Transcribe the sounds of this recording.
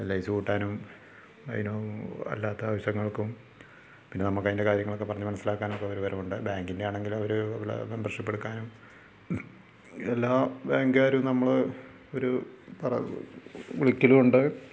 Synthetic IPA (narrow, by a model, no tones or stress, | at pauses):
elːɐjsɨkuːʈːaːnum | ɐ̰jinoːɐ̰lːaːt̪ːɐaːʋɐɕɐŋːɐɭkum | pinːe̞nɐmːokːɐjindekaːɾjɐŋːɐɭokːe̞pɐrɐɲːumɐnɐsːilaːkːaːnokːeɐʋɐɾuʋɐɾɐmuɳɖɨbaːŋɡinde̞jaːɳe̞ŋɡilɐʋɐɾuʋl̰membɐrʂipːeɽukːaːnum | elːaːbaːŋɡaːɾumnɐmːɐɭ | o̞ɾupɐrɐ̰ | uɭikʲːilumuɳɖɨ